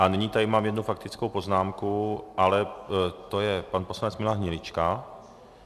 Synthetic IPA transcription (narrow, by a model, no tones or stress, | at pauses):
ʔaniɲiːt̪adɪmaːmjɛdnufakt̪ɪt͡skowpo̞znaːmkuʔalɛt̪o̞jɛpanposlanɛt͡smɪlaɦɲɛlɪt͡ʃka